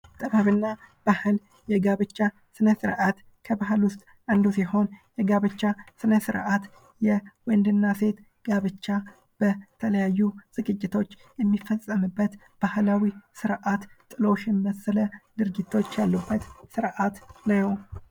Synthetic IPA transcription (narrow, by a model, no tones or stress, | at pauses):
t̪ʼəβaβɨnːab̥ahɨl | jɛɡaβɨt͡ʃːa | sɨnəsɨɾʔat̪ | kʰəbaɦɨlwʊst̪ʼ | ʔand̪usiho̞njɛɡaβɨt͡ʃːasɨnəsɨ̰ɾʔat̪ | jɛwɔnd̪ɨnːase̞t̪ | ɡ̥aβɨt͡ʃːa | b̥ət̪ʰələjajːuz̥ɨɡɨd͡ʒːɪt̪ʰo̞t͡ʃː | jɛmːifəsʼːəmɨbːət̪ | b̥ahlawisɨɾʔat̪t̪ʼɨlo̞ʃjɛmiməsələd̪ɨɾɡit̪ʰːo̞t͡ʃːjalːubːət̪sɨɾʔat̪nəw